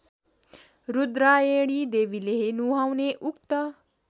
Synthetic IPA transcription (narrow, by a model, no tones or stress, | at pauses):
ɾud̪ɾaːjeːɽ̃iːd̪eːʋileɦenuɦawneːʔukt̪ə